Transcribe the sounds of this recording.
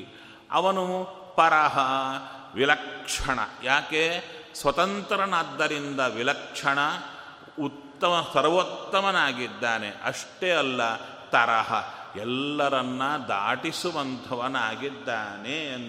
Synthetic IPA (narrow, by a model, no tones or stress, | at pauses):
ɐ̰ʋɐnu | pɐɾɐɦɐʋilɐkʂɐɳɐ̰jaːkesʋɐt̪ɐnt̪ɾɐnaːd̪ːɐɾind̪ɐʋilɐkʂɐɳɐ | ut̪ːɐmɐsɐɾʋɐt̪ːɐmɐnaːɡid̪ːaːnḛʔɐ̰ʂʈeɐlːɐ | t̪ɐɾɐɦɐɛlːɐɾɐnːɐd̪a̰ːʈisuʋɐnt̪ʰɐʋɐnaːɡid̪ːaːnen